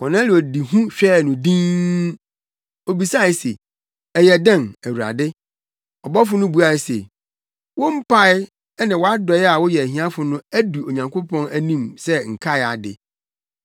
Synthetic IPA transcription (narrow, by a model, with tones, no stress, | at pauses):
wɔ̃˨nã˦lɪ˨ɔ˨di˨ɦũ˦ɕᶣɛː˦˨nʊ̃˨dĩ˦ | o˨bi˨sa˦˨ɪ˨se˨ | ɛ˨jɛ˨dã˦˨næ˨wu˨ɾa̰˨dɪ˦ | ɔ˨bɔ˦fʊ˨˦nʊ̃˦bu˨˦a˨sḛ˨ | wɔ̃˦m̩˦pʰa˦ɪ˦ | ɛ˦nɪ̃˨wɔ˨˦a˦dɔ˨ɪ˦a˨wɔ˦jɛ˨æ˨hĩ˨˦ã˦fʊ˨nʊ̃˦æ˦du˨o˨ɲã˨ŋkʰo˦pʰɔ̃˦næ˨nĩ˦˨msɛ˦ŋ̩˨kʰa˦ɪ˨a˨dɪ̰˨